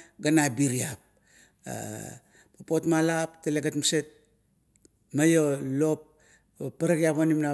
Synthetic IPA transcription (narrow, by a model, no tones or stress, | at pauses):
ɡanabiɾiap̚ | papo̞tmalapteleɡatmaset̚ | majolo̞p̚ | pːaɾaɡiapanimna